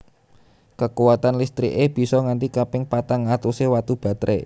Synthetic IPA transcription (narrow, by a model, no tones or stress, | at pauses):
kəkuwat̪anlist̪ɾḭʔeb̥i̤sɔŋant̪ikapɪŋpat̪aŋat̪usewat̪ub̥ä̤t̪ɾḛ